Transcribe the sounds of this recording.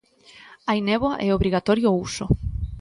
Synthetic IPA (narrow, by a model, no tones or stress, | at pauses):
ainɛβwaʔɛoβɾiɣat̪ɔɾjouso